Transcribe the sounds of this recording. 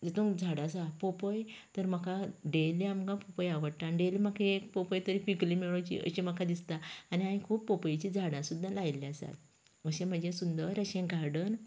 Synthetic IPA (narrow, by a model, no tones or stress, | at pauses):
d͡ʑet̪ũkd͡zʱaɽasapopəjt̪əɾməkʰaɖeliamkãpopəjaʋəɽʈ̪anɖelimakʰẽekpopəjt̪əɾifiklimeɭõt͡ɕḭʔə̰ɕemakʰad̪ist̪aːniãĩkʰuːpːopəjt͡ɕid͡zʱaɽãsud̪ʱːalajliasa̰t̪ | əɕẽm̤əd͡ʑẽsund̪əɾəɕẽɡaɾɖən